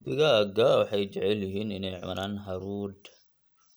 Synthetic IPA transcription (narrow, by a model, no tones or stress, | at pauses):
bɪɣaɡawɑħɑjt͡ʃɛʕɛljɪɦiːnɪnɛjʕʊ̰nʔaːnɦɐɾuːd̪